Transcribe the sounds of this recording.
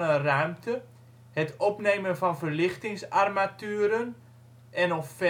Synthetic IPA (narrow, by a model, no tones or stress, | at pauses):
ərœɥmtə | hətɔpnejmənfɑnvərlɪxtɪŋsarmatyːɾən | ʔɛnɔffɛ